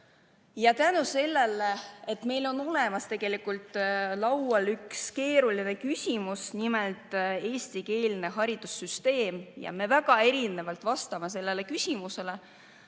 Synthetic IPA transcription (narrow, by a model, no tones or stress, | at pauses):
jɑt̪ænuse̞lːe̞lːeet̪me̞jlo̞no̞le̞mɑst̪e̞ɡ̥e̞likult̪ˑlɑwwɑlykske̞ːɾuline̞kysʲimusnimelt̪ˑe̞ːsʲt̪ike̞ːlne̞ɦɑɾid̪̥usːyst̪e̞ːmjɑ̰me̞væɡ̥ɑe̞ɾine̞vɑlt̪vɑst̪ɑmes̬e̞lːe̞lekysʲimuse̞le̞